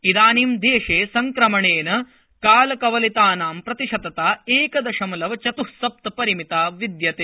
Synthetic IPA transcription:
id̪aːniːmd̪eːʂeːsɐŋkɾɐmɐɳeːnɐ | kaːlɐkɐʋɐlit̪aːnaːmpɾɐt̪iʂɐt̪ɐt̪aːeːkɐd̪ɐʂɐmlɐʋɐt͡ʃɐt̪uhsɐp̚t̪ɐpɐɾimit̪aːʋid̪jɐt̪eː

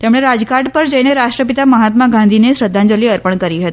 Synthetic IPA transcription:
t̪emɭeɾad͡zkaɖpəɾd͡ʑejneɾaʂʈɾəpit̪aməɦat̪maɡãnd̪ʱineɕɾəd̪ʱːand͡ʑəliːəɾpəɳkəɾiːɦət̪i

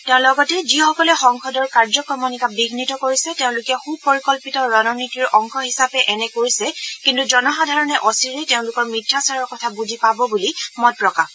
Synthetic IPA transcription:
tɛʊ̃lɔɡɔtɛzixɔkɔlɛxɔŋxʰɔdɔɹkaɹzɔkɔmɔnikabiɡʱnitɔkoɹisɛteʊ̃lʊkɛxub̚poɹikɔlpitɔɹɔnɔnitiɹɔŋxʰɔhisapɛʔɛnɛkoɹisɛkintuzɔnɔxadʱaɹɔnɛʔɔsiɹɛteʊ̃lʊkɔɹmitʰːasaɹɔɹkɔtʰabuzʱipabɔbulimɔt̚pɹɔkap

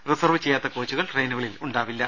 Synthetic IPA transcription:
risɐrʋɨt͡ɕe̞jːaːt̪ːɐkoːt͡ɕːuɣɐɭʈrejnuɣɐɭiluɳɖaːʋilːɐ

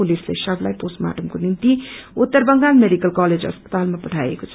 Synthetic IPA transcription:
ulislḛsʌbla̰jposma̰ʈəmkonint̪iut̪ːəɾbəŋɡanmeɖikəlkaled͡zə̰spə̥t̪almapəʈʰajḛkot͡sʰʌ

